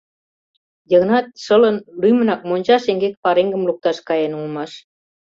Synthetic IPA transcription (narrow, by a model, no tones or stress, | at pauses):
jə̆ɣnɑt̪̚ʃələnlymə̆nɑk̚monʲt͡ɕɑʃeŋɡek̚pɑɾeŋɡə̆mluk̚t̪ɑʃkɑjenulmɑʃ